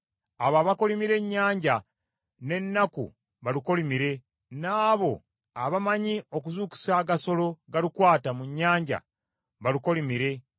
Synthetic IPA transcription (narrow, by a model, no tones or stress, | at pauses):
aβaβako̞limiɾe̞ɲːaːɲɟa | ne̞nːakṵ | βaliko̞limiɾe̞ | naːβo̞ | aβamaɲio̞k̬uzuːku̥saːɡaso̞lo̞ɡalikwaːtamuɲːaːɲɟa̰ | βaliko̞limiɾe̞